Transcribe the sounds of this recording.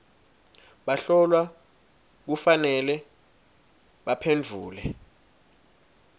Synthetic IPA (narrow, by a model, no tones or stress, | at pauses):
ɓaɬɔlwa | k̬ufanɛlɛ | ɓapʰend͡vʱuːlɛ